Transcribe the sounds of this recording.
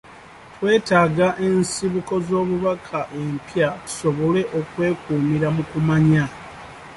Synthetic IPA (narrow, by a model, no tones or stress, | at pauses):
twe̞ːtaːɡaʔe̞ːnsiβuko̞zo̞ːβuβakʰaʔe̞mpjau̥so̞βo̞le̞ʔo̞kwe̞ːkuːmiɾamukumaɲa